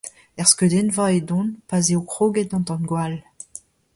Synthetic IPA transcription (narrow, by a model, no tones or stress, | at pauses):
ɛʁskødɛnvaedɔ̃npazeokχoɡɛt̪̚ɑ̃nt̪ɑ̃nɡwal